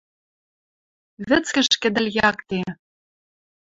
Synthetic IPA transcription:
βɘ̆t͡skɘ̆ʃkɘ̆d̪ɘ̆lʲjɑkt̪e

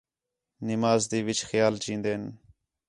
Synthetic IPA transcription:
nɪmaːzd̪iːʋɪt͡ʃxjaːlt͡ʃĩːnd̪eːn

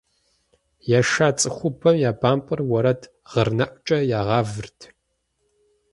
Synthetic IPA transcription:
jaːʃaːt͡sʼɨxʷʊbʰɐmjaːbaːmpʼɨrwɔɾɐtʰ | ʁ̥ɐrnɐʔʷt͡ʃʼɐjaːʁɑːvɨrtʰ

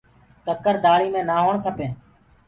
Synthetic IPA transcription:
kəkəɾd̪ʱaːɭiːmẽːnaːɦoːɳkʰəpẽː

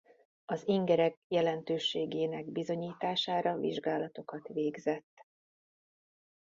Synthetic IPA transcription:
ɒziŋɡɛɾɛkjɛlɛnt̪øːʃeːɡeːnɛɡbizo̞ɲiːt̪aːʃaːɾɒvḭʒɡaːlɒt̪o̞kɒt̪ʋeːɡzɛt̪ː

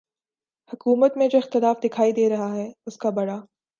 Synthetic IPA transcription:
hʊkuːmət̪mẽd͡ʒoːɪxt̪ɪlaːfd̪ɪkʰaːid̪eːɾɐɦaɦɛːʊskabɐɽaː

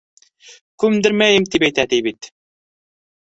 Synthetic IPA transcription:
kʉmd̪ɘɾmæjɘmt̪ipæjt̪æt̪ijbit̪

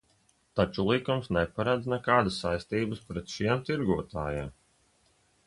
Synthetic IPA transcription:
t̪at͡ʃulˠikumsnɛpaɾad̪znɛkaːd̪əsːajst̪iːbəspɾɛt̪ʃiɛmt̪iɾɡuɔt̪aːjaːm

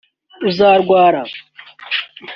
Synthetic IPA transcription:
uzaːɾɡʷaːɾa

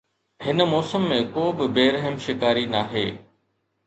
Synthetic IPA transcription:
hɪnəmɔːsəmːẽkoːbɪbeːɾəɦəmʃɪkaːɾinaːɦeː

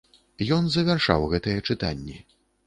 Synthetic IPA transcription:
jɔnzɐvʲarʂa̰wɣɛt̪ɐjɛt͡ʂɨt̪anʲːi

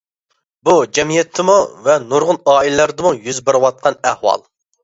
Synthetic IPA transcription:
bud͡ʒɛmijɛt̪ʰːɪmuvɛnoɾʁʊnɑːilɪlæɾɪd̪ɪmujyzbɪɾɨwɑt̪̚qʰɑnæhwɑ̰lˠ

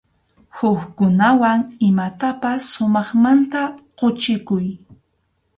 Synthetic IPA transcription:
hʊkkʊnawaŋɪmat̪apasːʊmɑχmant̪aqot͡ʃɪkʊj

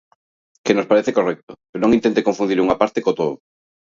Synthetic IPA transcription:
kenospaɾeθekorɛk̚t̪opeɾonõŋint̪ent̪ekoɱfund̪iɾuŋapaɾt̪ekot̪oðo

